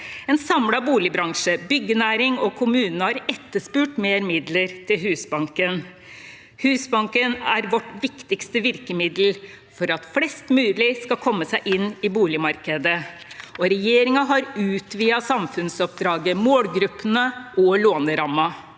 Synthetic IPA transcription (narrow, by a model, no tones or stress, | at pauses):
ɛnsɑmlɑbuːlɪbɾɑŋʂəbʏɡːənæːɾɪŋɔkʰʊmʉːnnəhɑɾɛt̪ːəʂpʉːʈmeːɾmɪd̪ləɾt̪ʰɪlɦʉːsbɑŋkən | hʉːsbɑŋkənæɾʋɔʈʋɪkt̪ɪkst̪əʋɪɾkəmɪd̪l | fɔɾɑt̪flɛst̪mʉːlɪskɑlkʰɔmːəsæɪʔɪnːɪbuːlɪmɑɾkəd̪ə | ɔɾɛjeːɾɪŋɑɦɑɾʉːt̪ʰʋiːɑsɑmfʉnsɔp̚d̪ɾɑːɡəmoːlɡɾʉpːənəʔɔloːnəɾɑmɑ